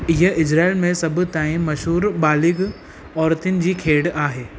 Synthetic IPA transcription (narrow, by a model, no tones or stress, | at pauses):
ɪɦəʔɪd͡ʑɾaːɪlmẽsɐbt̪aːĩmɐʃɦuːɾbaːlɪɡ | ɔːɾt̪ɪnɪ̆d͡ʑiːkʰeːɽaːɦeː